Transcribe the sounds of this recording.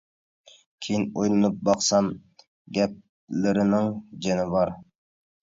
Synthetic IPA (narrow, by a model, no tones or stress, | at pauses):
kʲʰejinojlˠɨnɨp̚bɑqsɑm | ɡʲɛp̚ | lɪɾɪnɪŋd͡ʒɛnɪvɑɾ